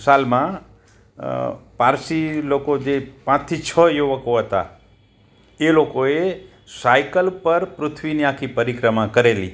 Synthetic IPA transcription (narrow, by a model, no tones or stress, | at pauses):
salmã | paɾsilokod͡ʒepãt͡ʃt̪ʰit͡ʃʰəjuʋəkoɦət̪a̰ | elokoe | sajkəlpəɾpɾʊt̪ʰʋiniakʰipəɾikɾəmãkəɾelḭ